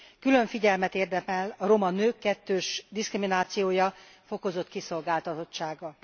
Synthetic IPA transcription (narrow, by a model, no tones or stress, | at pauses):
kylø̞ɱfiɟɛlmɛt̪eːrd̪ɛmɛlɒɾo̞mɒnøːkːɛt̪ːøːʃd̪iskriminaːt̪sijoːjɒfo̞ko̞zo̞t̪kiso̞lɡaːlt̪ɒt̪o̞t͡ʃːaːɡɒ